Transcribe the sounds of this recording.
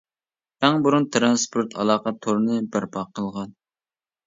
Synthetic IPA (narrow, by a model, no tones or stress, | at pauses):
æŋbuɾunt̪ʰɾɑnspʰoɾt̪ʰɑ̰lˠɑːqɑt̪ʰːoɾnɨbæɾpɑqʰːəlˠʁɑn